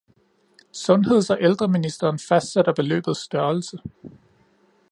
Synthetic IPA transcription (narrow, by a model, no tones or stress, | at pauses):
sɔ̽nɦe̝ð̰ˠsɒ̽ʔeld̥ʁɐminisd̥ɐːnfæsd̥sed̥ɐb̥e̝lø̰ːb̥ð̞̩ˠsd̥ɶɐlsə